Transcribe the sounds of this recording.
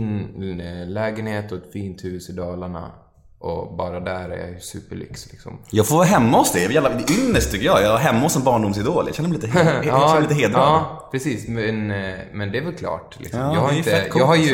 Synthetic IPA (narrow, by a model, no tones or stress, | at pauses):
lɛːɡənheːt̪ɔt̪fiːnt̪ʰʉːsɪd̪ɑːlaɳa̰ | ʔɔbɑːɾad̪æɾæ̰ɾjɑ̰jsʉ̰ːpəɭʏ̰kslɪksɔ̰mjɑːɡfoɾvɑɦɛmːaɔsd̪ɛjɛɛjæːlad̪ɛʏnːəʂt̪ʰʏkːəjɑjɑːɡaɾɦɛmːaɔsːɔmbɑːɳɖʊms̬ɪd̪oːljɑ̰ɕɛnəɾmɛliːt̪əɛɛlit̪əɦeːd̪ɾapʰɾɛsiːsmɛnmɛnd̪ɛæɾvɛlkʰlɑ̰ːʈlɪ̰ksmɑːhaɾɛkʰɑːɦaɾj